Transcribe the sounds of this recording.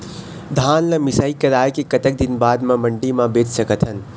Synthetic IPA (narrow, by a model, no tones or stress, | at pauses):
d̪ʱaːnlɐmɪsaːikɐɾaːjkekɐt̪ək̚d̪ɪnbaːd̪mãmɐ̃ɳɖimãbeːt͡ʃsɐkət̪ʰɦɐn